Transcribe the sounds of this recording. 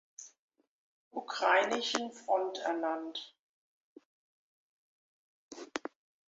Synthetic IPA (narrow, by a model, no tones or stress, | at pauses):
ʔukʁ̥aɪnɪʃn̩fʁ̥ɔntʰɛ̰ɐnant